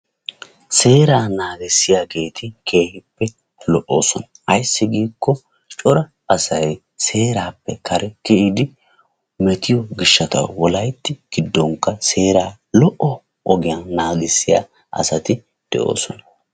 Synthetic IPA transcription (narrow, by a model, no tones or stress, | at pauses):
se̞ːɾaːnaːɡɪsːɪjaːɡe̞ːt̪ɪkʰe̞ːhɪpːɛ | lɔʔo̞̰ːsɔnɐʔɐjsːɪɡiːkːɔ | t͡ʃʼɔɾɐ | ɐsɐj | se̞ːɾaːpːɛkʰɐɾʔɛkɪʔɪd̪ɪ | mɛt̪ɪjɔɡɪʃːɐt̪ɐ̰wːɔlɐjt̪ːɪɡ̥ɪd̪ːɔŋkːɐse̞ːɾaː | lɔʔɔ | ʔɔɡɪjanaːɡɪsːɪja̰ː | ʔɐ̰sɐt̪ɪ | d̪̥ɛ̰ʔo̞̰ːsɔnɐ